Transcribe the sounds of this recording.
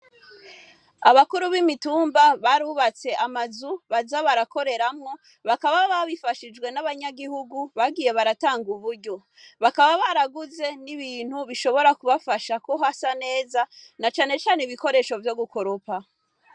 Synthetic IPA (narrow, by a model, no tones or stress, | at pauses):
aβakuɾuβimituːmbaβaɾuːβat͡se̞ʔamazuβazaβaɾako̞ɾe̞ɾamŋo̞ | βakaβaβaβifaʃid͡ʒɡwe̞naβaɲaɡihuɡuβaɡiːje̞βaɾataːŋɡuβuɾɟo̞ | βakaβaβaɾaɡuze̞niβiːn̥huβiʃo̞βo̞ɾakuβafaʃakoɦasane̞ːzanat͡ʃaːne̞t͡ʃaːneiβiko̞ɾe̞ːʃo̞vjo̞ɡuko̞ɾopa